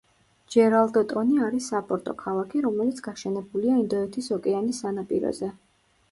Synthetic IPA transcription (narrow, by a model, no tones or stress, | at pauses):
d͡ʒɛɾalˠd̪ɔt̪ʼɔniaɾisːapʼɔɾt̪ʼɔ̰kʰalˠakʰiɾɔmɛlit̪sʰɡ̥aʃɛnɛbuliaind̪ɔɛt̪ʰisɔkʼɛanisanapʼḭɾɔ̰zɛ